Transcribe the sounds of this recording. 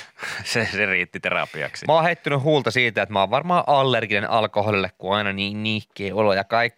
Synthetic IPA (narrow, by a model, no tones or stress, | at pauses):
seseriːt̪ːit̪erɑ̰piɑ̰ksimɑːhet̪ːynyhuːlt̪ɑsiːt̪æet̪mɑːʋʋɑrmɑːʔɑlːerɡinenʔɑlkoholilːekkuɑinɑniːnniːkːˑeːolojɑkɑikːi